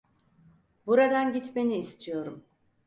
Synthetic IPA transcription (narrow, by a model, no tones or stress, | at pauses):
buɾad̪anɟit̪me̞niːst̪ʰijo̞ɾum